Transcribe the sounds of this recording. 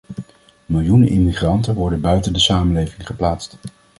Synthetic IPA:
mɪlˠjunənʔɪmiχrɑntənʋɔɹdənbœɥtəndəsaːmənlejvɪŋχəplaːtst

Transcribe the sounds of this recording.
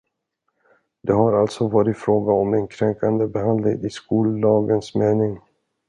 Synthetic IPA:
d̪ɛɦaɾalt̪sɔvɑːɾɪt̪fɾoːɡaɔmɛnkʰɾɛŋkand̪əbɛɦand̪lɪ̰ŋɪskuːld̪ɑːɡənsmeːnɪŋ

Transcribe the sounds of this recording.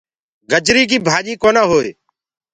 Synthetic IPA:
ɡəd͡ʒɾiːk̬iːbʱaːʄiːkoːnãːɦoːeː

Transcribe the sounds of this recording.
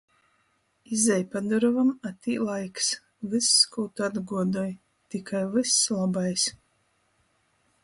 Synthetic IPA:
izɛjpad̪ɔɾɔvamat̪iːlˠajks | vɨsːkuwt̪ad̪ɡuɔd̪ɔj | t̪ikʰajvɨslˠabajs

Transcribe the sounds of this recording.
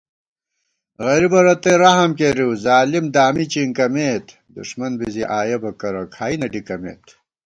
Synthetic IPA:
ɣɐɾibɐɾɐt̪eɾɐɦɐmkeɾiwzaːlimd̪aːmit͡ɕiŋkɐmeːt̪ | d̪ṵʂmɐnbiziʔaːjebɐkɐɾɐkʰaːinɐɖikɐmḛːt̪ʰ

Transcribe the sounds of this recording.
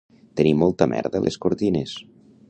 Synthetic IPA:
t̪ənimːɔlˠt̪əmɛ̰ɾðəlʔḛskoɾt̪ines

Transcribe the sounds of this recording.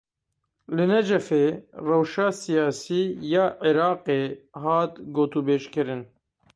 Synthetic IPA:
lɨnɛd͡ʒɛfeːrɛwʃaːsijaːsiːjaːʕiɾɑːqeːɦɑːt̪ɡoːt̪uːbeːʃkɨɾɨn

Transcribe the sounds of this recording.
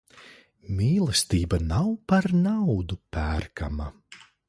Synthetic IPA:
mʲiːlˠɛst̪iːbanawpaɾnawd̪upæːɾkʰa̰ma

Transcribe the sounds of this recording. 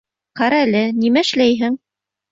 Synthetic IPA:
qɑɾɑælɘnimæɘ̆ʃlæjɦɘŋ

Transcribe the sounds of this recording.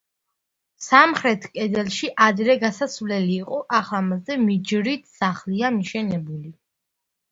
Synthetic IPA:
samχɾɛt̪ʰkʼɛd̪ɛlˠʃiʔad̪ɾɛɡasasvlɛliːqʼɔʔaχlamazɛmid͡ʒɾit̪ʰsaχliamiʃɛnɛbuli

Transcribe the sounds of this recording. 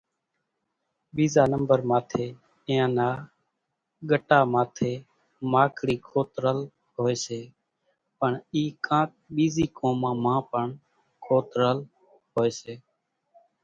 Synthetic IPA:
ɓiːzaːnəmbəɾmaːt̪ʰeː | ɪjãːnaː | ɠəʈaːmaːt̪ʰeː | maːkʰɽiːkʰoːt̪ɾəl | ɦoːeːseː | pəɳiːkãːk̚ | ɓiːziːkõːmãːmãːpəɳ | kʰoːt̪ɾəl | ɦoːeːseː

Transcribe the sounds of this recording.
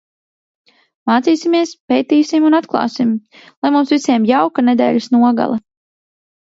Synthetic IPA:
maːt̪siːsimiɛspʲejt̪iːsimunat̪klˠɑ̰ːsim | lˠajmumsvisʲiɛmjawkanɛd̪ɛ̰ːlʲisnuɔɡa̰lˠa

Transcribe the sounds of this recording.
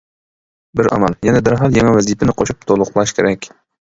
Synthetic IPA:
bɪɾɑ̰mɑlˠjɛnɛd̪ɪɾɦɑlˠjɛŋɛwɛzijpʰɪnɪqʰoʃup̚t̪ʰolˠʊqlˠɑʃkʲʰeɾɛkʲ

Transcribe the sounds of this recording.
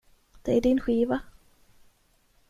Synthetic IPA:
d̪̥ɛæɖɪnɧiːva

